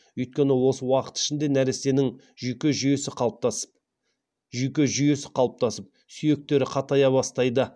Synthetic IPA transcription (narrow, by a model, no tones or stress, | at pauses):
ʏjt̪̚kʲe̞nɪwo̞səwɑqə̥t̪ɪ̥ʃɪnd̪e̞næɾese̞nɪŋ | ʒyjkʲeʒʏje̞sɪqʰɑt̪ | ʒyjkʲe̞ʒʏje̞sɪ̥qʰɑlˠəp̚t̪ɑsəp̚ | sʏje̞k̚t̪e̞ɾɪqʰɑt̪ɑjɑβɑst̪ɑjd̪ə